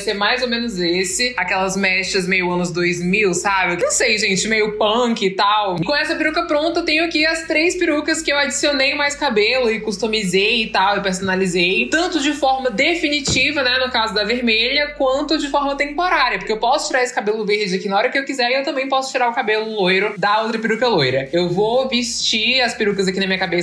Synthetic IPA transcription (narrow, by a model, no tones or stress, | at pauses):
seɾmajzomẽnʊzesɪakɛlɐzmɛʃt͡ʃɐzmejʊɐ̃nʊzd̪ojzmiwsabɪnɐ̃w̃sejʒẽnt͡ʃɪmejʊpɐ̃kɪt̪awɪkõɛsɐpiɾukɐpɾõnt̪ɐt̪ẽj̃ʊakiɐst̪ɾejspiɾukɐskɪewad͡ʒisionejmajskabelʊɪkust̪omizejt̪awɪpeɾsonalizejt̪ɐ̃nt̪ʊd͡ʒɪfɔɾmɐd̪efinit͡ʃivɐnɛnʊkazʊd̪ɐveɾmeʎɐkwɐ̃nt̪ʊd͡ʒɪfɔɾmɐt̪ẽmpoɾaɾiɐpoɾkeewpɔsʊt͡ʃiɾaɾesɪ̥kabelʊveɾd͡ʒɪɐkinɐɔɾɐkɪewkizɛɾiewt̪ɐ̃mbẽj̃pɔsʊ̥t͡ʃiɾaɾʊkabelʊlojɾʊd̪ɐowt̪ɾɐpiɾukɐlojɾɐewvovɪʃt͡ʃiɐspiɾukɐzakinɐmĩɲɐkabes